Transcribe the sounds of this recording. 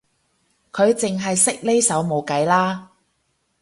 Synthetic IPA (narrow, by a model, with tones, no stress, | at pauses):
kʰɵ˨˧ɥt͡sɪ˨ŋɦɐ˨jsɪ˥k̚le˥jsɐ˨˥wmo˨˧wkɐ˨˥jlaː˥